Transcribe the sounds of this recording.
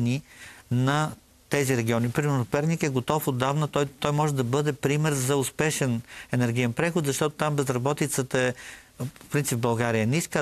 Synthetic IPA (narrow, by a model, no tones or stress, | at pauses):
ninɐ | t̪ɛziɾɛɡʲiɔnipɾimɛnpɛɾnikɛɡot̪ɔfod̪ːavnət̪ɔjt̪ɔjmɔʒɛd̪ɐbɤd̪ɛpɾimɛɾzɐʊspɛʃɛnɛnɛɾɡ̟ijɛnpɾɛxʊt̪zɐʃt̪ɔt̪ʊ̥t̪ambɛzɾɐbɔt̪it̪sət̪əɛ | o̥pɾint̪sipbɐlˠɡaɾijəɛnɛiskə